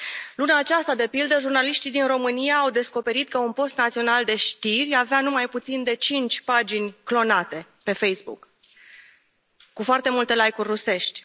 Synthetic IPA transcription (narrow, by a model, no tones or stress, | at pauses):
lunaːt͡ʃast̪ad̪e̞pild̪əʒurnaliʃt̪id̪inro̞mɨnijaːwd̪e̞sko̞pe̞ɾit̪kəunpo̞st̪nat̪sio̞nald̪e̞ʃt̪irʲaveanumajput̪sind̪e̞t͡ʃint͡ʃʲpad͡ʒinʲklo̞nat̪e̞ | pe̞fe̞jsbṵk | kufoart̪e̞mult̪e̞lajkurʲːuse̞ʃt̪ʲ